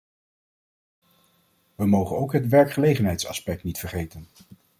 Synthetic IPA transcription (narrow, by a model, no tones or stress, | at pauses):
ʋəmowχənowkɦətʋɛɹkχəlejχənɦɛjtsɑ̰spɛk̚tnitfəɹχejtən